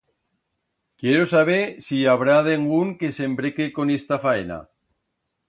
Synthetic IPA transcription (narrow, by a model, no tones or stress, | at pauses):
kjeɾosaβ̞eɾsiaβɾaðeŋɡuŋkese̞mbɾekeko̞nest̪afaena̰